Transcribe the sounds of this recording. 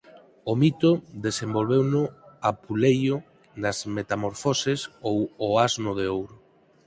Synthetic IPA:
ʊmit̪ʊðesembolβewnʊapulejʊ | nɐzmet̪amoɾfosɪsowoaznʊðeowɾʊ

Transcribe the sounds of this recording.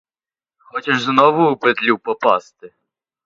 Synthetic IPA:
xɔt͡ʃɛʐznɔʋʊːpet̪lʲupɔpɑ̰st̪ɪ

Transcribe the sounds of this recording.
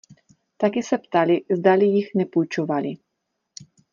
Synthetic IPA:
t̪akisɛpt̪alizd̪alijixnɛpujt͡ʃovali

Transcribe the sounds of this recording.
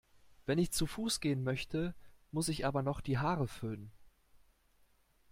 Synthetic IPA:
v̥ɛnɪçt͡sufuːsɡ̥eːənmœçtʰəmʊsɪçʔaːbɐnɔχd̥iːɦaːʁəfʏlən

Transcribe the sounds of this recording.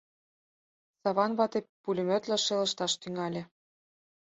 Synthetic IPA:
sɑβɑnβɑt̪epːulʲɘ̆mø̆t̪læʃelə̆ʃt̪ɑʃt̪yŋɑlʲĕ

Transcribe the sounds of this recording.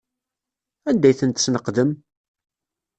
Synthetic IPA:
ænd̪ːæjθənt̪snəqðəm

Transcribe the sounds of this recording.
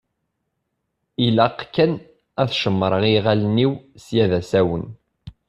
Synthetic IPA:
ilæqkːæn | æθʃəmːɾˤəʁiʁælniwsjæðæsæwən

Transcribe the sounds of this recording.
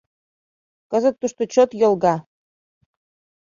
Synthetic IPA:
kɤ̆zə̆t̪ːuʃt̪ot͡ɕot̪jŏlˠɡɑ

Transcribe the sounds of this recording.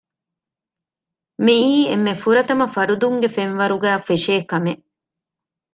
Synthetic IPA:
miːemːefuɾɐt̪ɐmɐfɐɾud̪uŋɡefenʋɐɾuɡæːfeʃeːkɐmeʔ

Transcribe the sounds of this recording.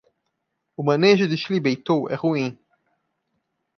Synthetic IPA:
umaneʃ̬et̪iʃlibejt̪oʔeχuĩ

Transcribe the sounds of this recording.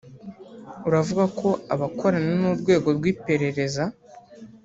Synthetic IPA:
uɾavuɡakʰo̞aβakʰo̞ɾananuːɾɡwe̞ːɡo̞ɾɡwiːpe̞ɾe̞ɾe̞za

